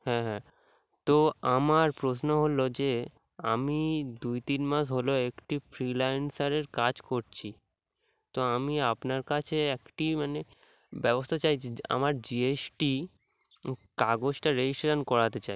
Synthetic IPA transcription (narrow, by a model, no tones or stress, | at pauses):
hɛ̃ɦɛ̃ | t̪oamaɾpɾosnoɦolod͡ʑe | amid̪ujt̪inmas̬ɦoloekʈifɾilajnsaɾeɾkad͡ʑkoɾt͡ɕʰi | t̪oamiapnaɾkat͡ɕʰeekʈimane | bɛbost̪ʰat͡ɕajia̰maɾd͡ʑiesʈi | kaɡod͡ʑʈaɾed͡ʑisʈoɾenkɔɾat̪et͡ɕaj